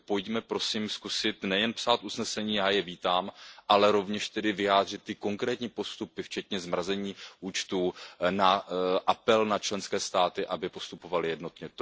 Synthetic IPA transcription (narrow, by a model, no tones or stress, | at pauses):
po̞jcmɛpɾo̞siːmskusɪt̪nɛjɛnpsaːt̪ʔusnɛsɛɲiːjaːjɛviːt̪aːmʔalɛɾo̞vɲɛʃt̪ɛdɪvɪjaːd̪r̝ɪt̪̚ːɪko̞ŋkɾɛːt̪ɲiːpo̞st̪upɪft͡ʃɛt̪ɲɛzmɾazɛɲiːʔuːt͡ʃt̪uːnaʔapɛlnat͡ʃlɛnskɛːst̪aːt̪ɪʔabɪpo̞st̪upo̞valɪjɛdno̞t̪ɲɛt̪